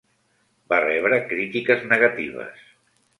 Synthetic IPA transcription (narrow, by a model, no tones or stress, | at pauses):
barɛβ̞ɾəkɾit̪ikəznəɣat̪ḭβ̞ə̰s